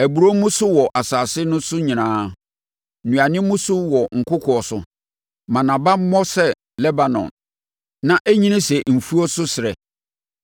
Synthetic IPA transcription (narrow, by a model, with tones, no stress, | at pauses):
æ˨bu˨ɾo˦mʊ̃˦sʊ˦wɔ˨ʔa˨saː˨sɪ˦nʊ̃˦sʊ˦ɲĩ˨nãː˦˨ | nũ˨a˨nɪ̃˦mʊ̃˦sʊ˦wɔ˨ŋ̩˨kʰʊ˦kʰɔ˨ɔ˨sʊ˨ | mã˨nã˨ba˦mɔ˦sɛ˦ | lɛ˦ba˨nɔ̰̃˨n | nã˨ʔæ˦ɲĩ˦nĩ˦sɛ˨m̩˨fu˦ɔ˦sʊ˦sɪ˨ɾɛ˨